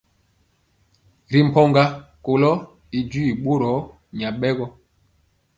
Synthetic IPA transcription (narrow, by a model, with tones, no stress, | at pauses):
ɾi˨m̩˨pɔ˦ŋɡa˦ko˨lɔ˦ | i˨d͡ʒi˦i˨ɓo˦ɾɔ˨˦ | ɲa˨ɓɛ˦ɡɔ˦